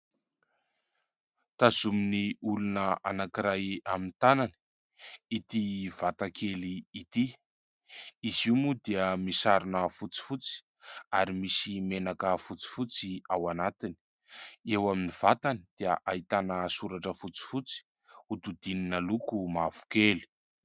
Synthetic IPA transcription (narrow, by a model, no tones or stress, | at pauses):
t̪azuminiulunəʔanakiɾajamint̪anani̥ | it̪iv̥at̪akʰeliːt̪i | iziumud̪eəmisaɾinəfut͡si̥fut͡si̥ | aɾimisimenakəfut͡si̥fut͡siawanat̪ini̥ | ewaminiv̥at̪anid̪̥eəʔait̪anəsuɾaʈ͡ʂəfut͡si̥fut͡si̥ | ut̪ud̪ininalukumav̥u̥keli̥